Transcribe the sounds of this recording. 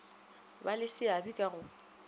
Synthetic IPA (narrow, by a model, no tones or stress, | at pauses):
balɪsɪabikʼaɣʊ